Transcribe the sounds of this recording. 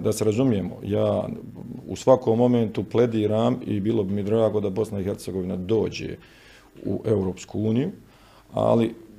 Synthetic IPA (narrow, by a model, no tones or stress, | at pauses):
d̪aseɾazumije̞mo̰jaː | ṵsʋakoːmːo̞ment̪uple̞d̪iːɾaːmḭbiːlo̞bimid̪ɾaːɡo̞d̪abo̞snaixe̞ɾt̪seɡo̞ʋinad̪o̞ːd͡ʑḛ | ṵʔe̞uɾo̞ːpskuuːniju | a̰li